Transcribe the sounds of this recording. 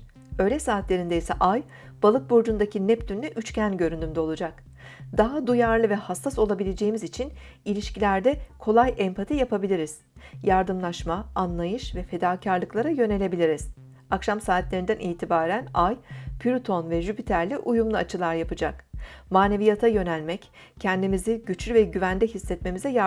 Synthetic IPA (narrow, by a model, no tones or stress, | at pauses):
ø̞jlʲɛsaːt̪lʲe̞ɾind̪ejisɛʔaj | b̥alˠɯk̚buɾd͡ʒund̪acʰinɛpt̪ʰynlːʲɛʔyt͡ʃcʰænɟø̞ɾynd̪ymd̪ɛo̞lˠud͡ʒak | d̪̥aɦad̪ujaɾlˠɯvɛhasːaso̞lˠabilʲe̞d͡ʒe̞jimizit͡ʃʰin | ilʲiʃcilʲæɾd̪ɛkʰo̞lˠajʔɛmpʰat̪ʰijapʰabilʲiɾiz̥ | jaɾd̪ɯmlˠaʃmaanlˠajɯʃvɛfe̞d̪aːcʰaɾlˠɯklˠaɾajø̞ne̞lʲe̞bilʲiɾiz̥ | akʃamsaːt̪lʲe̞ɾind̪ænʔiːt̪ʰibaːɾænajpʰyɾut̪ʰo̞nvɛʒypit̪ʰæɾlʲiʔujumlˠuat͡ʃʰɯlˠaɾjapɯd͡ʒakmaːne̞vijat̪ʰajø̞nælʲmɛc | cʰɛnd̪imiziɟyt͡ʃlʲyvɛɟyvænd̪ʲɛɦisːɛt̪me̞mizɛja